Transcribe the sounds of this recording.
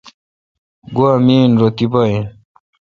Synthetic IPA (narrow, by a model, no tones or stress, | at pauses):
ɡuamiːnɾot̪ipaĩ